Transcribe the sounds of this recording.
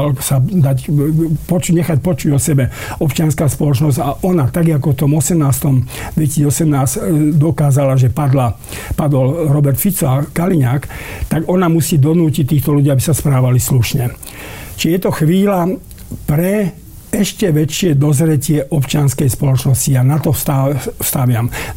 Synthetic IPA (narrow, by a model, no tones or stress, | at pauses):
lsad̪acpɔt͡ʃuɲɛxac̚pɔt͡ʃuɟɔsɛbɛɔpt͡ʃɪanskaːspɔlɔt͡ʃnɔzɟaʔɔnat̪aɡak̬ɔft̪ɔmɔsɛmnaːst̪ɔmd̪ʋɛisiɔsɛmnaːzd̪ɔkaːzalaʒɛpad̪la | pad̪ɔlɾɔbɛɾt̪fit͡sɔakaliɲaːkt̪aɡɔnamusiːd̪ɔnuːcit̪ːiːxt̪ɔluɟiːabisaspɾaːʋalisluʃɲɛ | t͡ʃijɛt̪ɔxʋiːla | pɾɛ | ɛʃcɛʋɛt͡ʃɪɛd̪ɔzɾɛcɪɛʔɔpt͡ʃɪanskɛjspɔlɔt͡ʃnɔscianat̪ɔst̪ast̪aʋɪam